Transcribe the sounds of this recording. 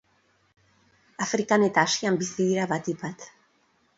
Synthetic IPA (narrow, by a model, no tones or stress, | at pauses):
afɾikanet̪aːʃiambisiiɾaβat̪ipat̪